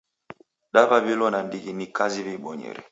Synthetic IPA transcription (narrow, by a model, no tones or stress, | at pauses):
ɗababilɔnandiɡinikazibiɓɔɲɛ̰ɾɛ̰